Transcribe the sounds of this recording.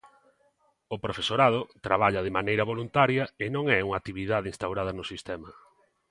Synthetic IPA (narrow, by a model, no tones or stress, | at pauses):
ʊpɾofesoɾað̞ʊt̪ɾaβaʎɐðɪmanejɾɐβolunt̪aɾjɐɪnõŋɛuŋat̪iβiðaðɪiŋst̪awɾað̞ɐnʊsist̪ɛmɐ